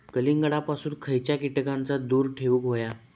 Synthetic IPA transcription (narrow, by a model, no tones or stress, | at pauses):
kəliŋɡəɽapasuːnkʰəjt͡ɕjakiʈəkãnt͡sad̪uːɾʈʰeʋuːkɦoja